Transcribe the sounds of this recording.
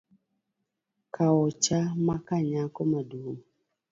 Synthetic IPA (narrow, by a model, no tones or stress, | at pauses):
kʰaɔt͡ʃamakaɲakomadum